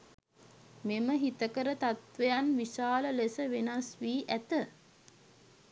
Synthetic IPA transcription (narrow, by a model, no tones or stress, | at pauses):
meməɦit̪əkəɾət̪at̪ʋejanʋisaːləlesəʋenasʋiːʔæt̪ə